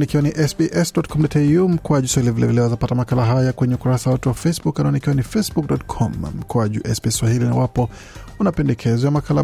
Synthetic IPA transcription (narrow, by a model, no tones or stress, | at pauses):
nikiwaniʔɛsbiʔɛsdɔtkʰɔmdɔtɛjum̩kuaʄuswahilivilɛvilɛwazapatamakalaɦajakwɛɲɛukuɾasawatuwafejsbukːanaɔnikiwanifesbuk̚dɔtkʰɔmm̩kwaʄṵʔɛsbɛswahilina̰wapɔ | unapɛndɛkʰɛzɔjamakala